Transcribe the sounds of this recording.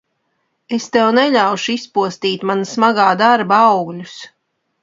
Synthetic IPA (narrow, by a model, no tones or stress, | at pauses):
est̪ɛwnɛʎʲawʃuispuɔst̪iːt̪manasmaɡaːd̪aɾbaɑwɡlʲus